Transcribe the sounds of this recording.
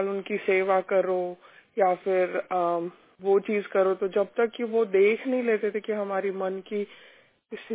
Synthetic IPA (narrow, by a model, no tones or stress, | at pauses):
lʊnkiseːʋakɐɾojafɪɾ | ʋot͡ʃiːzkɐɾot̪od͡ʒɐb̚t̪ɐkːiʋod̪eːkʰnɐɦĩleːt̪et̪ʰekiɦɐmaːɾimɐnki | ɪs